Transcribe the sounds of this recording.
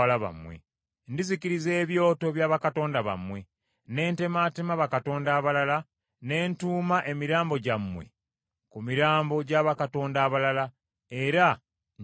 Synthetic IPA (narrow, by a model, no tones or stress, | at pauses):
alaβa̰mwḛ | ndizikiɾize̞ːβjo̞ːto̞βjaːβakato̞ːndaβa̰mːwe̞ | ne̞ːnte̞matemaβakato̞ːndaːβalala | ne̞ːntuːmaʔe̞miɾaːmbo̞ɟamːwe̞̰ | kumiɾaːmbo̞ɟaːβakato̞ːndaːβalala | e̞ɾa